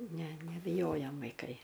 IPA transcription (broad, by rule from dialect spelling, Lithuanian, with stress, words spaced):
ˈnʲɛ nʲɛbʲɪˈjoːjɛm ʋɐɪˈkɐɪ